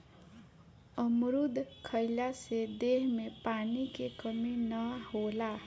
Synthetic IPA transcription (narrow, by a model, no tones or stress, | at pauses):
ʌmɾud̪ʱkʰʌjlased̪eɦmepanikekʌminʌhola